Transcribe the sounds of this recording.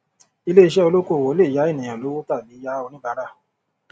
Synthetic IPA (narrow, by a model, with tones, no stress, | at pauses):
i˧le˦i˧ʃ̬ɛ˦o˧lo˦ko˦˨wo˨˦le˦˨ja˨˦e˦˨nĩ˨ã˨lo˨˦wo˦ta˦˨bi˨˦ja˦o˧nĩ˦ba˨˦ɾa˦˨